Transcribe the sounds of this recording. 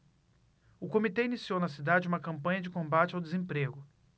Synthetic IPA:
ʊkomit̪ɛinisiownɐsid̪ad͡ʒɪũmɐkɐ̃mpɐ̃ɲɐd͡ʒɪkõmbat͡ʃɪawd̪ezẽpɾeɡʊ

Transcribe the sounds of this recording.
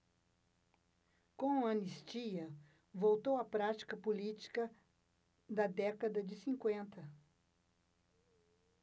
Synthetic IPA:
kõɐ̃nist͡ʃiɐ | vowt̪owɐpɾat͡ʃi̥kɐpolit͡ʃi̥kɐ | d̪ɐd̪ɛkɐd̪ɐd͡ʒɪsĩŋkwẽnt̪ɐ

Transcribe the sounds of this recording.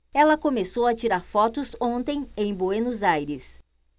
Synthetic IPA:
ɛlɐkomesowɐt͡ʃiɾaɾfɔt̪ʊzõnt̪ẽj̃ẽj̃boenʊzajɾɪs

